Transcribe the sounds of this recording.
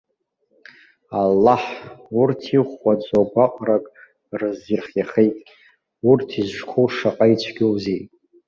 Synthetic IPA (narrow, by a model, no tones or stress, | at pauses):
alːaħurtʰiχat͡sʼoɡʷaqʼrakʼ | rɨzirχʲjaχejtʼʲ | urtʰizʒkʷʰoʂaqʼait͡ʃʷʰɡʲowzej